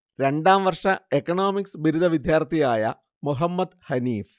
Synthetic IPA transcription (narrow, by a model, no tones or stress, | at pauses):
ɾe̞ɳɖaːmʋɐrʂɐekːɐɳoːmiksɨbiɾud̪ʱɐʋid̪ʱjaːrt̪ʰijaːjɐ̰ | muɦɐmːɐd̪hɐniːf